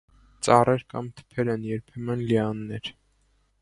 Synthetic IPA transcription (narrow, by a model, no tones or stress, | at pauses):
t͡sɑrɛɾkɑmt̪ʰə̥pʰɛɾɛnjɛɾpʰɛmənlɛɑnːɛɾ